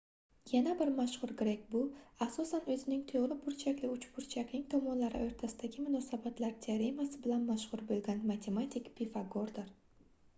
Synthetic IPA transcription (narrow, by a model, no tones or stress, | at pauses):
janabɪɾmaʃhʊɾɡʲɾek̚ʲbʊasɒsanɵzɪnɪŋt̪ʰoʁɾɪpʰʊɾt͡ʃʰakʲlɪʊt͡ʃpʊɾt͡ʃʰakʲnɪŋt̪ʰɒmɒnlaɾɪoɾt̪ʰasɪd̪aɡʲɪmʊnɒsabat̪laɾt̪ʰeaɾemasɪbɪlanmaʃhʊɾbolˠɡʲanmat̪ʰe̞mat̪ʲʰikpʰifaɡoɾd̪ɪɾ